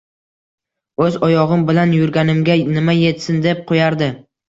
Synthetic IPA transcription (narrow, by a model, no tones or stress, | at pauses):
ɵzɒjɒʁɨmbɪlanjʊɾɡʲanɪmɡʲanɪmaje̞t̪sɪnd̪ep̚qʰojaɾd̪ɪ